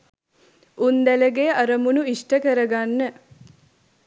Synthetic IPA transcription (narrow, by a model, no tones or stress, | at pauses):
und̪æləɡeʔɐɾəmunuisʈəkəɾəɡanːə